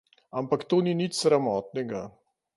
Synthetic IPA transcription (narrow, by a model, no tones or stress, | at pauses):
ampakt̪oːninit͡ʃsɾamɔːt̪nɛɡa